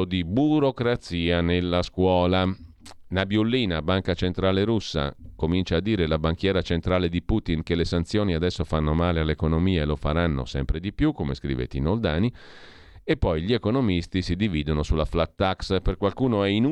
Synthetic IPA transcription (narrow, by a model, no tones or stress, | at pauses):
od̪ibuɾokɾat̪siːanelːaskwɔːla | nabjulːiːnabaŋkat͡ʃent̪ɾaːleɾusːa̰komint͡ʃaːd̪ːiːɾelabaŋk̟jɛːɾat͡ʃent̪ɾaːled̪ipuːt̪inkelːesant̪sjoːniad̪ɛsːofanːomaːlealːekonomiːelofaɾanːo̰sɛmpɾed̪ipjukːomḛskɾḭvḛt̪ḭnold̪aːni | epːɔjʎiekonomist̪isid̪iviːd̪onosulaflat̪ːaksperkwalkuːnoɛin